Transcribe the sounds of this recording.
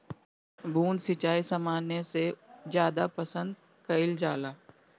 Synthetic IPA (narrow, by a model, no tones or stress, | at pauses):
bʱuːnsɪt͡ʃaːisɐmaːnesezjaːd̪apəsə̃nd̪ | kɐɪld͡ʒaːlaː